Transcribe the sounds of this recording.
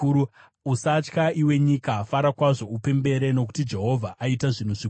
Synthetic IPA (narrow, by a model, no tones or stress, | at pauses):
usat͡ʃkaʔiwe̞ɲikafaɾakwaʐo̞upe̞mbe̞ɾe̞no̞ku̥tid͡ʒe̞ɦo̞vʱaʔaitaʐin̤uʐi